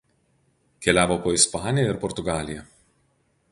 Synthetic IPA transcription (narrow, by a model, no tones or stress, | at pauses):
kʲɛlʲæːʋoːpoːɪspɑːnʲɪjɛɪɾpɔɾt̪ʊɡɑːlʲɪjɛ